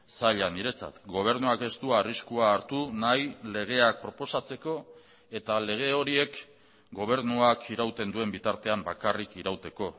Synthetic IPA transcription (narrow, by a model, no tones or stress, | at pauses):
saʎaniɾe̞t͡sa̰t̪ɡo̞β̞e̞ɾnuake̞st̪uaːriskuaːɾt̪unajle̞ɣ̞e̞ak̚pɾo̞po̞sat͡se̞ko̞ | e̞t̪ale̞ɣ̞e̞o̞ɾie̞k | ɡo̞β̞e̞ɾnuakʰiɾawt̪e̞nd̪ue̞mbit̪aɾt̪e̞ambakarikiɾawt̪e̞ko̞